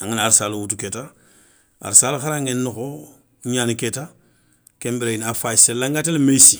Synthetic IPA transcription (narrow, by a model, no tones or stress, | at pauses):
ãŋanaɾisaːluwutuketa | a̰ɾisaːluxaɾãŋɡennoko | ɲaːniketa | kɛ̃mbeɾeinafaiselãŋɡatelemejsi